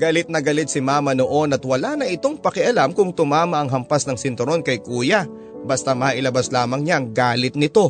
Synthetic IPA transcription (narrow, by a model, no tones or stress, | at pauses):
ɡɐlɪt̪̚nɐɡɐlɪt̪̚sɪmaːmɐno̞ʔo̞nɐt̪wɐlanɐʔɪt̪o̞ŋpɐkɪʔɐlamkʊŋt̪ʊmaːmɐʔɐŋɦɐmpasnɐŋsɪnt̪ʊɾo̞nkɐjkuːjɐ | bɐst̪amɐʔɪlɐbaslaːmɐŋɲaɐŋɡaːlɪt̪̚nɪt̪o̞